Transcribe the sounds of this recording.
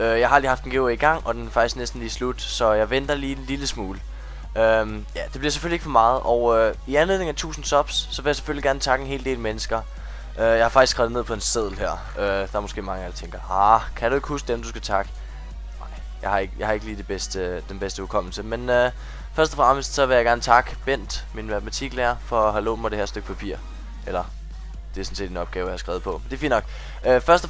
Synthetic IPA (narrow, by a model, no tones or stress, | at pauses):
øjɑ̈ɪhɑ̈æld̥ihɑ̈fd̥enɡ̥eiɡ̥ɑ̈ŋ̰ɒ̽d̥enfɑ̈ɡ̥isɡ̥nesd̥n̩liːslud̥sɒ̽jɑ̈ɪʋen̰d̥ɐliːliləsmuːlə | øm | jæd̥e̝b̥liɐse̥følie̝ɡ̥fɒ̽mɑ̈ːð̞̩ˠʔɒʊøiænle̝ðˠneŋæt͡sʰṵːsn̩sɒ̽b̥sːɒ̽ʋe̝jɑ̈se̥føliɡ̥æɐnət͡sʰɑ̈ɡ̥əe̝nɦe̝̰ːlde̝̰ːlmenəsɡ̥ɐ | ʔøjɑ̈hɑ̈fɑ̈ɡ̥isɡ̥ʁɑð̩ˠe̝ð̰ˠpʰɒ̽e̝nseð̞̰ˠl̩ˠɦæɐ̰ | ød̥ɑ̈æɐmɔ̽sɡ̥e̝ːmɑ̈ŋəæ̥t͡sʰeŋɡ̥ɐhɑkʰæɾ̥ue̝ɡ̥əhusɡ̥d̥emd̥usɡ̥æt͡sʰɑ̈ɡ̥ə̥ | nɑ̈ɪ̰ | jɑ̈ɪhɑ̈e̝ɡ̥əjɑ̈ɪhɑ̈e̝ɡ̥liːd̥e̝b̥esd̥əd̥enb̥esd̥əukʰɒ̽m̰l̩səmenø | fɶɐsd̥ɒfʁɑ̈msd̥sɒ̽ʋe̝jɑɡ̥æɐnət͡sʰɑ̈ɡ̥əb̥en̰d̥minmæð̥ˠmæt͡sʰiɡ̥læːɐfɒ̽ɦhælo̰̥ːm̩ɐd̥e̝hæɐsd̥øɡ̥pʰæpʰḭɐ̰ | ʔelɐ | d̥e̝æɐsɔ̽nse̝̰ːd̥e̝nɒ̽b̥ɡ̥ɛːʊjɑ̈hɑ̈sɡ̥ʁɛːʊð̩ˠpʰɒ̽mend̥e̝ɐfḭːn̥ːɒ̽ɡ̥ | øfɶɐsd̥ɒ